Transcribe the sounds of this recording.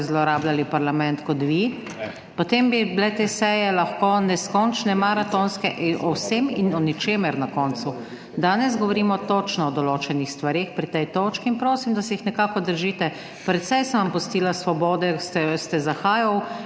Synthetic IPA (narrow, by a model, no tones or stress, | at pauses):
zlɔɾaːblalipaɾlamɛnt̪kɔt̪ʋi | pɔt̪embiblɛt̪esɛjɛlaxkonɛskɔnt͡ʃnɛmaɾat̪onskɛʔʔɔwseminɔnɛt͡ʃeːmɛɾnakɔːnsu | d̪aːnɛzɡɔʋɔɾiːmɔt̪ot͡ʃnɔɔd̪ɔloːt͡ʃɛnixst̪ʋaɾeːxpɾit̪ɛjt̪oːt͡ʃkiːnpɾoːsimd̪asɛixnɛkaːkɔd̪əɾʒiːt̪ɛ | pɾɛt̪sɛjsənʋampɔst̪iːlasʋɔbɔːd̪ɛst̪ɛst̪ɛzaxaːjaw